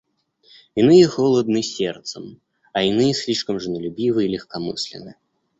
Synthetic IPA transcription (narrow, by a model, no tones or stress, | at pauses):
inɨjɛxɔlˠɐd̪nɨsʲɛrt̪sɐm | ɐinɨjɛsʲlʲiʂkɐmʐɨnɐlʲubʲivɨilʲɛxkamɨsʲlʲɛ̰nɨ